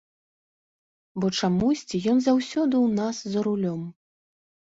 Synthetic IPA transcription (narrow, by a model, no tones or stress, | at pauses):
bɔt͡ʂamusʲt͡sʲijɔnzawsʲɔd̪ɨwnaszɐɾulʲɔm